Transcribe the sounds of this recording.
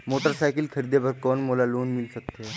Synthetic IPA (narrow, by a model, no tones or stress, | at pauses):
moʈəɾsajkəlkʰəɾid̪ebəɾkɔːnmolaloːnmilsək̚t̪e